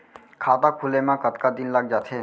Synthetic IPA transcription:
kʰat̪akʰulemãkət̪kad̪inlaɡ̚d͡ʒat̪ʰe

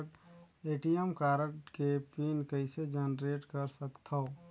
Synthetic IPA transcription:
ʈeːʈijəmkaːɾəʈkepinkəɪsed͡ʒənɾeːʈkəɾsəkt̪ʰa

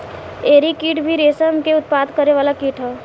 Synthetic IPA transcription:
eːɾikiːʈbʱiɾeːsəmkeʊt̪̚paːd̪kəɾeʋaːlakiːʈʰɦɛː

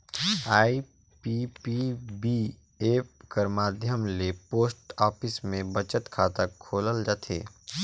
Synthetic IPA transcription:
aːi | pipibi | eːpkəɾmaːd̪ʱjəmlepoːsʈaːpʰɪsmẽbət͡ʃət̪kʰaːt̪əkʰoːləld͡ʒaːt̪ʰḛː

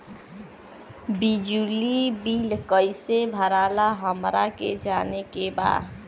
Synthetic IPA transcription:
bid͡ʒulibilkəjsebʱəɾalaɦəmɾaked͡ʒanekeba̰

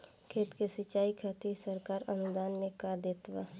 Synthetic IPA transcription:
kʰeːt̪kesət͡ʃaːikʰaːt̪isəɾkaːɾənʊd̪aːnmẽkaːd̪eːt̪ʋa̰ː

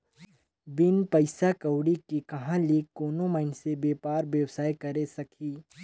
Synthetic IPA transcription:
bɪnpɐɪsakɐʊɽikikɐɦãliːkːoːnõmɐɪnsebeːpaːɾbjɐwsaːjkɐɾesɐkʰiː

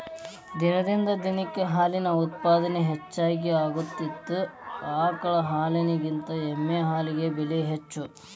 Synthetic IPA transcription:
d̪inɐd̪ind̪ɐd̪inɐkːeɦaːlinɐut̪̚paːd̪ɐneɦet͡ʃːaːk̬eaːɡut̪ːit̪ːuaːkɐɭɐɦaːlɐniɡint̪ɐemːeɦaːliɡe̞beliɦet͡ʃːu

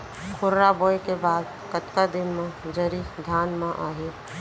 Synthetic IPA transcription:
kʰʊɾɾabɔːjkebaːd̪ | kət̪kad̪ɪnmẽd͡ʒəɾid̪ʱaːnmãʔaːɦe

